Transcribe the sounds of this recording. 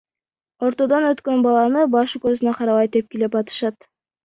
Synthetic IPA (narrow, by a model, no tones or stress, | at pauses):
o̞ɾt̪o̞d̪onøt̪kønbɑlˠɑnɯbɑʃɯkøɾzynøqʰɑɾɑβɑjt̪ep̚kilepɑt̪ɯ̥ʃɑt̪